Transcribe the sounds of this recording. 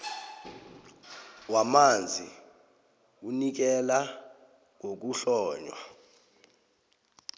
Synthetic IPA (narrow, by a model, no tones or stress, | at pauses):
wamand͡zʱi | unik̬ɛla | ŋok̬uɬɔːɲwa̰